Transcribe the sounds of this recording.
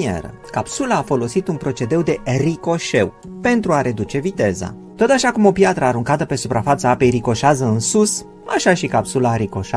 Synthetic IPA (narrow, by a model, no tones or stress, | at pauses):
ḛɾə̰ | kapsulaːfo̞lo̞sit̪unpɾo̞t͡ʃe̞d̪e̞wd̪e̞riko̞ʃe̞w | pe̞nt̪ɾuaɾe̞d̪ut͡ʃe̞vit̪e̞za̰ | t̪o̞t̪aʃakumo̞pjat̪ɾəaɾuŋkat̪əpe̞supɾafat̪saape̞jɾiko̞ʃazəɨnsus | aʃaʃikapsulaːɾiko̞ʃa